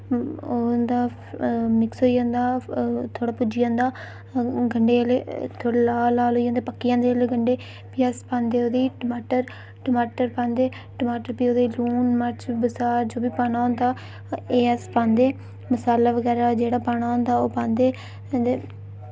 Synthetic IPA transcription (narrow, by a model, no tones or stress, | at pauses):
od̪aː | mɪksɦoːijãːnd̪aːt̪ʰoːɽaːpʊd͡ʒɪjãːnd̪aː | ɡəɳɖeːleːt̪ʰoːɽaːlaːlaːlɦoːijãːnd̪eːpəkːɪjãːd̪eːəleːɡəɳɖeː | piːəspãːnd̪eːoːd̪iːʈəmaːʈəɾ | ʈəmaːʈəɾpãːnd̪eː | ʈəmaːʈəɾpiːoːd̪eːluːnməɾt͡ʃʰbəsaːɾd͡ʒoːbiːpaːnaːɦõːnd̪aː | eːəspãːnd̪eː | məsaːlaːʋəɡɛːɾaːd͡ʒeːɽaːpaːnaːɦõːnd̪aːoːpãːnd̪eː | d̪eː